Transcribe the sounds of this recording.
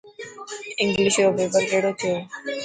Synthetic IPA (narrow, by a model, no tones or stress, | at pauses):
ɪ̃ŋɡlɪʃobebəɾkeːɽot̪ʰijoː